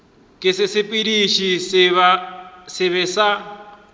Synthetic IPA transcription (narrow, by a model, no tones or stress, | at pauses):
kʼɪsɪsɪpʼidiʃisβasɪβɛsa